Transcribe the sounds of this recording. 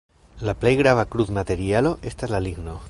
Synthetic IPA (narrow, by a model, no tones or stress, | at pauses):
laplejɣɾaβakɾuθmat̪eɾjaloʔest̪aezlaliɣno